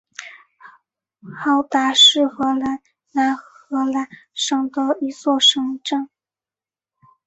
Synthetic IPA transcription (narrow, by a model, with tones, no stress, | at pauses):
xɑ˥˩ʊt̪a˧˥ʂɻ̩˥˩xɤ˧˥la˧˥n | na˧˥nɤ˧˥la˧˥nʂɑ˥˩ŋd̪ə˧i˧˥t͡swɔ˥˩ʂɤ˧˥ŋʈ͡ʂa˥˩ŋ